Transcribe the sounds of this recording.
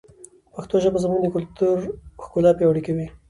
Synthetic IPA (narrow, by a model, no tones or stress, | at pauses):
paxt̪oʒəbazamund̪əkʊlt̪uɾxkulɑpewaɽikawi